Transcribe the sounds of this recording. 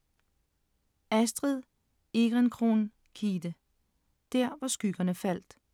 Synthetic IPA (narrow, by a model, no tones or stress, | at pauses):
æsd̥ʁið̰ˠ | e̝ɡ̥ʁɛnkʰʁo̝n | kʰiːd̥ə | d̥æɐ̰ʋɑ̈sɡ̥yɡ̥ɐnəfæl̰d̥